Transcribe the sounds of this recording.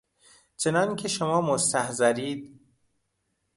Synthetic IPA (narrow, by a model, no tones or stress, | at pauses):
t͡ʃʰenɒncʲʰeʃomɒːmost̪æhzæɾiːd̪̥̚